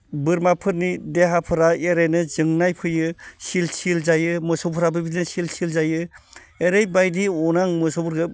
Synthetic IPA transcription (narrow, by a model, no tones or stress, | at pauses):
bɯɾmapʰɯɾnideɦapʰɯɾaeɾejnɯzɯŋnajpʰɯjɯsilsilzajɯmɯsɔbpʰɯɾabɯbidinɯsilsilzajɯ | eɾejbajdiɔnaŋmɯsobɯɾɡɯ